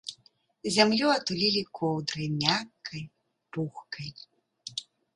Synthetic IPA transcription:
zʲamlʲuɐt̪ulʲilʲikʰɔwd̪ɾɨjmʲakːɐj | puxkɐj

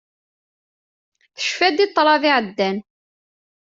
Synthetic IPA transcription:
θə̥ʃfæd̪it̪ˤːɾˤɑðɪʕəd̪ːæn

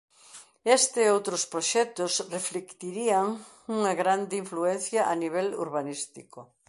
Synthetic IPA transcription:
est̪ɪowt̪ɾospɾoʃɛt̪ʊsreflekt̪iɾiaŋ | uŋɐɣɾand̪ɪiɱfluɛn̟θjɐʔaniβɛlṵɾβanist̪iko

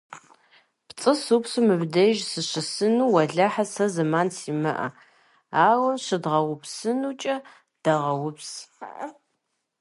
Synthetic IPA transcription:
pt͡sʼɨsupsumɨbdɐʒsɨɕɪsɨnuːwɐɮɐħasɐzɨmaːnsʰimɨ̰ʔɐ̰ | aːwɐɕɨdʁɐwʊpsɨnut͡ʃʼɐ | d̥ɐʁɐwʊps

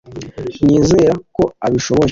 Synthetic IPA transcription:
ɲiːzeɾako̞aβiʃo̞βo

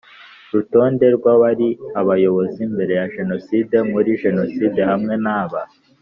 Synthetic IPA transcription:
ɾuto̞ːnde̞ɾɡwaβaɾiaβajo̞βo̞zimbe̞ɾe̞jaʒe̞no̞siːde̞muɾiʒe̞no̞side̞hamŋe̞naːβa

